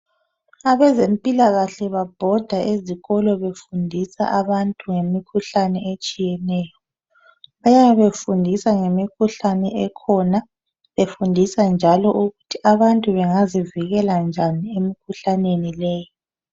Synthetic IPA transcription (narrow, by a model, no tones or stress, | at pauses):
aβɛzempʼilaɣaɬɛβab̥ʱɔd̥ʱaʔeziɣɔlɔβefundʱisa̰ʔaβantʼuŋemikʰuɬanɛet͡ʃʼijɛnɛːjɔ | βajaβefundʱisaŋemikʰuɬanɛʔɛkʰɔna | βefundʱisand͡ʒʱalɔʔuɣutʰiaβantʼuβɛŋaziviɣɛland͡ʒʱaniemikʰuɬanenilɛːji